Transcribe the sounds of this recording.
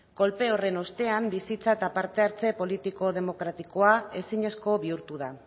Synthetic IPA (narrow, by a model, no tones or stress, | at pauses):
ko̞lpe̞o̞re̞no̞st̪e̞ambisit͡saet̪apaɾt̪e̞aɾt͡se̞po̞lit̪iko̞ð̞e̞mo̞kɾat̪iko̞ae̞siɲe̞sko̞βiuɾt̪uð̞a